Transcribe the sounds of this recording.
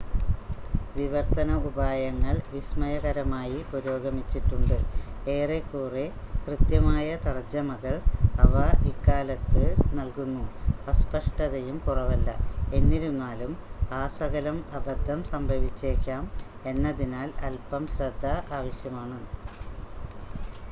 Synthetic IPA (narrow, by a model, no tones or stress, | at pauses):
ʋiʋɐrt̪ɐnɐubaːjɐŋːɐɭʋismɐjɐɣɐɾɐmaːjipoɾo̞ːɡɐmit͡ɕːiʈːuɳɖɨe̞ːrekːuːre | krɨt̪jɐmaːjɐt̪ɐrɐd͡ʑɐmɐɣɐɭɐʋɐikːaːlɐt̪ːɨnɐlkunːuɐspɐʂʈɐðɐjumkurɐʋɐlːɐ̰e̞nːiɾumnːaːlumaːsɐɣɐlɐmɐbɐd̪ʱːɐmsɐmbʱɐʋit͡ɕːe̞ːkʲːaːme̞nːɐðinaːlɐlpɐmɕɾɐd̪ʱːɐʔaːʋɐɕjɐmaːɳɨ